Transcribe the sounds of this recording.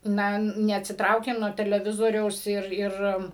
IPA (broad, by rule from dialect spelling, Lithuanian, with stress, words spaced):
ˈnɐ nʲɛɐtʲsʲɪˈtrɐʊkʲeːm nuɔ tʲɛlʲɛˈʋʲɪzoːrʲɛʊs ˈɪr ˈɪr